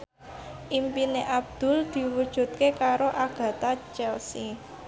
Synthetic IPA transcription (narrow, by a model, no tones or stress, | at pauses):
ʔimpineʔab̚d̪̥ʊ̤ld̪̥i̤wud̥ʒ̥ṳt̪̚kekaɾoʔaɡ̥ä̤t̪at͡ʃɛlsi